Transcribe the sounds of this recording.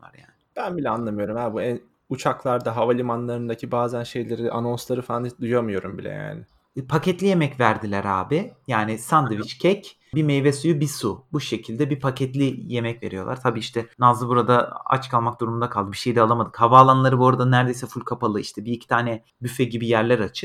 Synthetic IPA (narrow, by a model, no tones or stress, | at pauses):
va̰ɾja̰ːnɪb̥ænbilʲɛanlˠamɯjo̞ɾumhæbuæn | ut͡ʃʰaklˠaɾd̪aɦavalʲimanlˠaɾɯnd̪acʰibaːzænʃe̞jlʲe̞ɾiʔano̞nslˠaɾɯfaand̪ujamɯjo̞ɾumbilʲɛ̰ja̰ːnɪ | pʰacɛt̪lʲije̞mɛcvæɾd̪ilʲæɾa̰ːbɪjaːnɪsand̪ɯvit͡ʃcʰɛc | bimejvɛsujubisubuʃecʰilʲd̪ɛbipʰacʰɛt̪lʲijemɛcve̞̰ɾijo̞lˠaɾt̪ʰabiːiʃt̪ʰɛnazɯbuɾad̪aa̰t͡ʃkʰalˠmak̚d̪uɾumund̪akʰalˠd̪ɯbiʃe̞jd̪ɛalˠamad̪ɯkhavaːlˠanlˠaɾɯbo̞ɾad̪anæɾd̪e̞jsɛfulʲkʰapalˠɯiʃt̪ʰɛbiicʰit̪ʰaːnɛ | byfɛɟibijæɾlʲæɾat͡ʃʰɯ̥